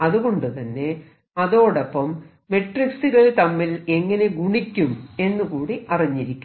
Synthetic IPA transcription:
ɐðuɣo̞ɳɖɨt̪ɐnːe̞ | ɐðo̞ːɽɐpːɐmː | e̞ʈriksuɣɐɭt̪ɐmːile̞ŋːɐne̞ɡuɳikʲːume̞nːukuːɽiʔɐrɐɲːiɾikʲːu

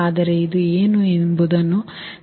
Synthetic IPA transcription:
aːd̪ɐɾeid̪ueːnuembud̪ɐnːu

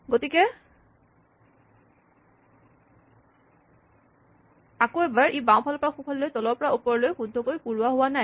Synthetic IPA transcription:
ɡotikɛ | akoɛbaɹʔibãw̃pʰɔlɔpɔɹaxupʰallojtɔlɔɹpɔɹaupɔɹɔlojxudʱːɔkojkuɹuaɦʊwanaj

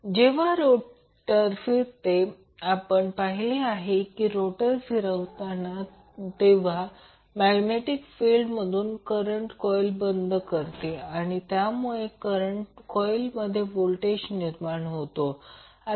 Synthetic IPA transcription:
d͡ʑeʋ̤aɾo | ʈəɾfiɾt̪e | apəɳpaɦileaɦekiːɾoʈəɾfiɾəʋt̪ana | t̪eʋ̤a | mæɡneʈikfilɖməd̪ʱuːnkəɾəɳʈkɔjlbənd̪ʱkəɾt̪eaɽ̃it̪jamuɭekəɾəɳʈkɔjlməd̪ʱːjebolʈeɕniɾmaɳɦot̪o | a

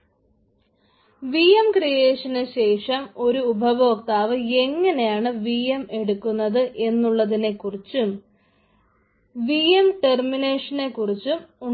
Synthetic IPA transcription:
ʋiemkrijeːʂɐnɨɕe̞ːʂɐmo̞ɾuːbʱɐʋoːk̚t̪aːʋɨe̞ŋːɐnejaːɳɨʋijeme̞ɽukːunːɐðɨʔe̞nːuɭːɐðine̞kːurit͡ɕːum | ʋiemʈe̞rmine̞ːʂɐne̞kːurit͡ɕːumu

